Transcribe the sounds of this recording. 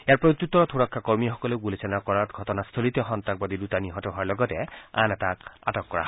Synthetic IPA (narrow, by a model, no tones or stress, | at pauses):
eaɹpɹotut̪ːɔɹɔtʰuɹakʰːakɔɹmijxɔkɔleɡulesɛnakɔɹaɹɡʱɔtɔnast̪ʰolit̪ɛxɔnt̪ak̚badidutaniɦɔtɔɦɔaɹlɔɡɔtɛa̰nɛtaka̰tɔkːɔɹa̰ɦɔ